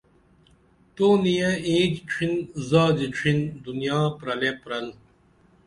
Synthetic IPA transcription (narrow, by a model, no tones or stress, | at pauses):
t̪oːnijẽeːd͡ʑt͡ɕʰinzaːd͡ʑit͡ɕʰind̪unjaːpɾɐlepɾɐl